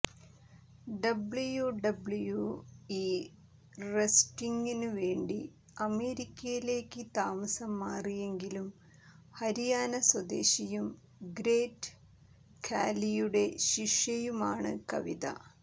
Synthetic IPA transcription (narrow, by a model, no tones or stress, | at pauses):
ɖɐbɭujuɖɐbɭujuiː | resʈiŋɡinɨʋe̞ːɳɖi | ɐme̞ːɾikʲːɐjile̞ːkːɨt̪aːmɐsɐmːaːrije̞ŋɡilum | hɐɾijaːnɐswɐd̪e̞̰ːɕijum | ɡɾeːʈ | kʰa̰ːlijuɽe̞ɕiʂjɐjumaːɳɨ̰kɐ̰ʋiðɐ̰